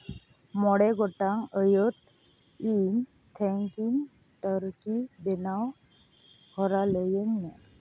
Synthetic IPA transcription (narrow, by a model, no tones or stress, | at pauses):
mɔɽɛɡʱɔʈaŋəjət̪̚ | in | t̪ʰɛ̃ŋkiŋ | t̪əɾkib̪enaw | hɔɾaləjənːa